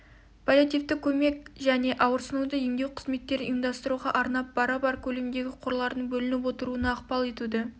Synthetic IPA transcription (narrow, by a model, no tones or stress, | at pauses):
pʰolʲjat̪ijft̪ɪkʲːʰɵme̞kʲʒæne̞ʔɑwəɾsənud̪əjeŋd̪e̞wqʰə̥zme̞t̪ːe̞ɾɪnijəmd̪ɑst̪əɾuʁɑʔɑɾnɑp̚b̥ɑɾɑbɑɾkʲʰɵle̞md̪e̞ɡʲɪqʰoɾlˠɑɾd̪əɴbɵlɪnɪp̬wo̞t̪əɾuənɑːqpɑlˠe̞t̪ud̪ɪ